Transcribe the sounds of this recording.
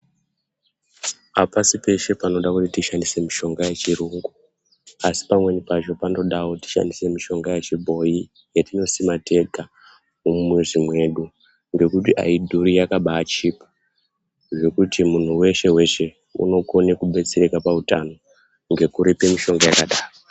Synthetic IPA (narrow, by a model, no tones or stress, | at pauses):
apasipe̞ʃe̞pano̞ɗakutitiʃandise̞miʃo̞ŋɡajet͡ʃiɾuːŋɡu | asi̥pamwe̞nipat͡ʃo̞pando̞ɗaoti̥ʃa̰ndise̞miʃo̞ŋɡajet͡ʃibʱo̞i | jetino̞simate̞ɡʱa | umeʐimwe̞ɗu | ŋɡe̞kutiʔa̰idʱuɾijakaɓaːt͡ʃipḁ | ʐe̞kutimun̤uwe̞ʃe̞we̞ʃe̞ | ṵno̞ko̞ne̞kuɓe̞t͡seɾe̞kapautano̞ | ŋɡe̞kuɾipe̞miʃo̞ŋɡajakaɗaːro